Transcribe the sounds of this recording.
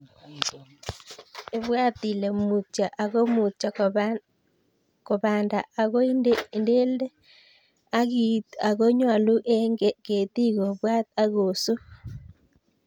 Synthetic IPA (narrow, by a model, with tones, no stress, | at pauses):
e˨βwa˦t̪i˨le˨mu˨t͡ʃa˨ʔa˨ɣo˦mu˨t͡ʃa˨ | ko˨βaː˨nda˨a˨ɣo˦i˦˨nde˦le˦ | a˦ɣi˨t̪a˨ɣo˦ɲwa˨lu˦ʔe˦ŋɡe˦ke˨t̪i˦ɣo˨βwa˦t̪̚a˦ɣo˨so˦